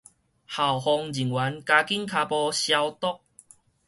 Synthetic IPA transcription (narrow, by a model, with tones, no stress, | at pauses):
ha˨˩whɔ˧ŋd͡ʑi˨˩ŋwa˨˦nka˧ki˦˥nkʰa˧pɔ˧ɕja˧wt̪ɔ˦˥k̚